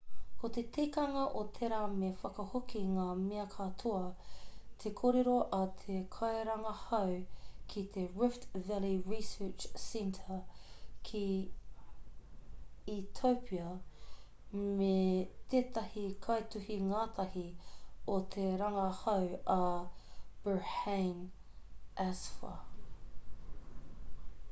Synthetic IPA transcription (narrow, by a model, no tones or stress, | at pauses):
kot̪et̪ʰejkɐŋɐʔot̪ʰeɾaːmefɐkɐhokʰiŋaːmeɐkʰɐt̪ʰoɐ | t̪ʰekʰoːɾeɾoʔɐt̪ʰekʰɐjɾɐŋɐhɐwkʰit̪ʰeɹɪftvɛliɹisət͡ʃsɛntʰəkʰi | t̪ʰowpʰiɐ | met̪eːt̪ɐhikʰɐjt̪uhiŋaːt̪ʰɐhiot̪ʰeɾɐŋɐhɐwɐ | b̥əhen | ʔæsfɐ̰